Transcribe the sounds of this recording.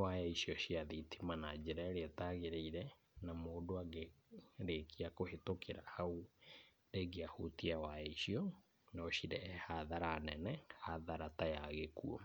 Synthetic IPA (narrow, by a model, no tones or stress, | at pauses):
waɛiɕiɔɕiaðitʰimanad͡ʑɛɾaeɾeataɣeɾeiɾɛ | namoːdoaɡeɾekʰiakohetokʰeɾahau | deɡeahutiawaɛisiɔ | nɔɕiɾɛhaðaɾaːnɛnɛhaðaɾataja̰ɣekuɔ̰